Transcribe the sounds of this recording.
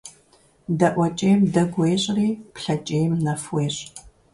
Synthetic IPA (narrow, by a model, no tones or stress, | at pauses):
dɐʔʷɐt͡ʃʼeːjmdɐɡʷeːɕʼriːpʰɬɐt͡ʃʼeːjmnɐfweːɕʼ